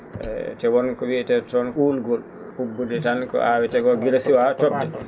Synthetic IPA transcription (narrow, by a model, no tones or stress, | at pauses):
tɛwɔnkɔwiɛtɛtɔnʔulɡɔl | hubːudɛtankɔ̰ʔawɛtɛkɔɡiɾasiwatɔbɛ